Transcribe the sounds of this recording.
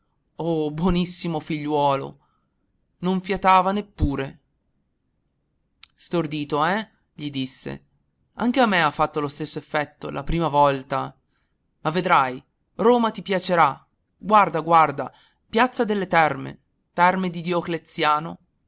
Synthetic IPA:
obwɔnisːimofiʎːwɔːlo̰ | noɱfjat̪aːvanepːuːɾe | st̪ord̪iːt̪oɛ | ʎid̪isːḛ | aŋk̟eamːeafːat̪ːolost̪esːoefːɛt̪ːolʔapɾiːmavɔlt̪a | mavːed̪ɾaj | roːmat̪ipjat͡ʃeɾa | ɡward̪aɡward̪a | pjat̪sːad̪elːet̪ɛrmḛ | t̪ɛrmed̪id̪joklet̪sːjaːno

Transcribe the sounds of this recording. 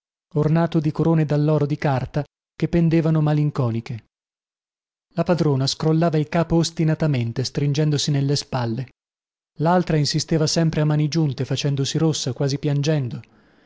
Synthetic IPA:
ornaːt̪od̪ikoɾoːned̪alːɔːɾod̪ikart̪a | kepːend̪eːvanomaliŋkɔːnik̟e | lapad̪ɾoːnaskɾolːaːvailkaːpoːst̪inat̪ament̪est̪ɾind͡ʒɛnd̪osinelːespalːe | lalt̪ɾainsist̪eːvasɛmpɾeamːaːnid͡ʒunt̪efat͡ʃɛnd̪osiɾosːakwaːzipjand͡ʒɛnd̪o

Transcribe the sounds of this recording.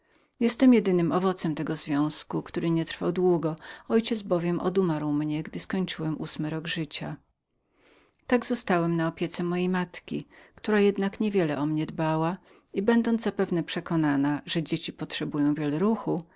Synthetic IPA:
jɛst̪ɛmjɛd̪ɘnɘmʔɔvɔt̪sɛmt̪ɛɡɔzvʲjɔ̃w̃skukt̪uɾɘɲɛt̪ɾfawd̪wuɡɔɔjt͡ɕɛd̪zbɔvʲjɛmʔɔ̰d̪umaɾwmɲɛɡd̪ɘskɔɲt͡ʂɘwɛmʔusmɘɾɔɡʐɘt͡ɕa | t̪aɡzɔst̪awɛmnaɔpʲjɛt̪sɛmɔjejmat̪kʲḭkt̪uɾajɛd̪nakɲɛvʲjɛlɛʔɔmɲɛd̪bawa | ibɛnd̪ɔndzzapɛvnɛpʂɛkɔnanaʐɛd͡ʑet͡ɕipɔtʂɛbujɔ̃w̃vʲjɛlɛɾuxu

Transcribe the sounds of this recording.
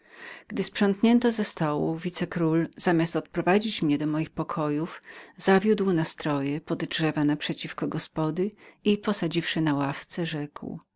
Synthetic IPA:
ɡ̥d̪ɘspʂɔ̃ŋkɲɛnt̪ɔzɛst̪ɔwṵvʲit̪sɛkɾulz̥amʲjast̪ɔt̪̚pɾɔvad͡ʑit͡ɕmɲɛd̪ɔmɔjixpɔkʰɔjufzavʲjud̪wnast̪ɾɔjɛpɔd̪dʐɛvanapʂɛt͡ɕifkɔɡɔspɔd̪ɘipɔsad͡ʑifʂɘnawaft̪sɛʐɛkw

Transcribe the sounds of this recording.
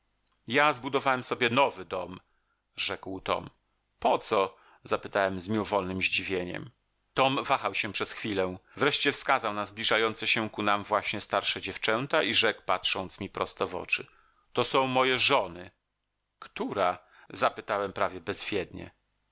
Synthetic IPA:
jazbud̪ɔvawɛmsɔbʲjɛnɔvɘd̪ɔm | ʐɛkwt̪ɔ̰m | pɔt̪sɔ | zapɘt̪awɛmzmʲiɔvɔlnɘmʑd͡ʑivʲjeɲɛ̰m | t̪ɔmvaxawɕɛpʂɛsxfʲilɛvɾɛʂt͡ɕɛfskazawnazblʲiʐajɔnt̪sɛɕɛkunamvwaɕɲɛst̪aɾʂɛd͡ʑɛft͡ʂɛnt̪aʔiʐɛkpatʂɔnt̪smʲipɾɔst̪ɛvɔ̰t͡ʂɘ̰ | t̪ɔsɔ̃w̃mɔjɛʐɔnɘ | kt̪uɾa | zapɘt̪awɛmpɾavʲjɛbɛzvʲjɛd̪ɲɛ̰

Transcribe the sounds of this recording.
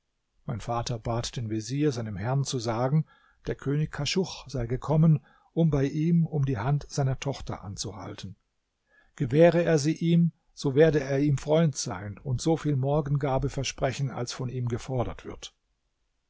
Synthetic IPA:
maɪnfaːtɐbaːtd̥eːnveziːɐzaɪnəmhɛɐnt͡suzaːɡŋ̩ | d̥eːɐkʰøːnɪçkʰaʃʊχz̥aɪɡəkʰɔmən | ʔʊmbaɪʔiːmʊmdiːhantz̥aɪnɐtʰɔχtɐ̰ʔa̰nt͡suha̰ltn̩ | ɡ̥əvɛːʁəeːɐziːʔiːm | z̥oːveːɐdəeːɐiːmfʁ̥ɔʏntz̥a̰ɪnʊntz̥oːfiːlmɔɐɡn̩ɡaːbəfɛɐʃpʁ̥ɛçn̩a̰lsfɔniːmɡəfɔɐɾɐ̰tv̥ɪ̰ɐt

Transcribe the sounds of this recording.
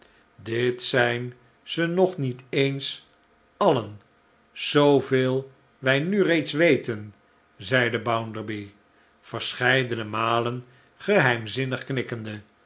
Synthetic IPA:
dɪtsɛjn | z̥ənɔχnitejns | ɑlən | z̥owveːlˠ | ʋɛjnyrejtsʋejtən | zɛjdəbawndəɹbi | v̥əɹsχɛjdənəmaːlən | χəɦɛjmzɪnəχknɪkəndə

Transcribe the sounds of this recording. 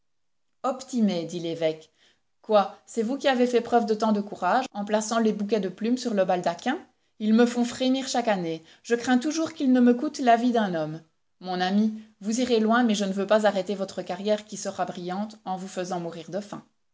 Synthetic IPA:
ɔpt̪imed̪ilevɛk | kːwasɛvukʲiavefɛpχœvd̪ət̪ɑ̃d̪əkuʁaʒɑ̃plasɑ̃lebuk̬ʲɛd̪əplymsyʁləbald̪akʲɛ̃ | ilməfɔ̃fχeniːʁʃakane | ʒ̥əkχɛ̃t̪uʒuʁkilnəməkut̪lavid̪ɛ̃nɔm | mɔ̃namivuziʁelwɛ̃mɛʒənəvøpazaʁet̪evɔt̪χəkaʁjɛʁkʲisəʁabʁijɑ̃t̪ɑ̃vufəzɑ̃muʁiʁd̪əfɛ̰̃

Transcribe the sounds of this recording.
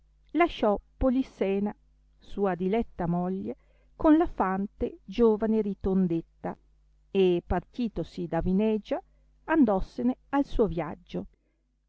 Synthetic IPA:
laʃɔpolisɛːna | suːad̪ilɛt̪ːamoʎːe | konlafant̪ed͡ʒoːvaneɾit̪ond̪et̪ːa | epart̪iːt̪osid̪avinɛd͡ʒa | and̪ɔsːenealsuːovjad͡ʒːo

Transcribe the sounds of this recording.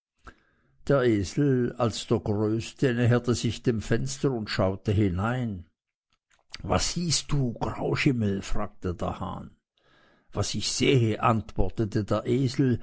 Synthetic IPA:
d̥eːɐʔeːzl̩alsd̥eːɐɡʁøːstənɛɦɛɐtəzɪçd̥eːmfɛnstɐʊntʃaʊtəhɪnaɪn | va̰sz̥iːst̚d̥uːɡ̥ʁa̰ʊʃɪməlfʁ̥aːk̚tədḛːɐha̰ːn | vasɪçz̥eːəʔantv̥ɔɐtətədeːɐʔeːzl̩

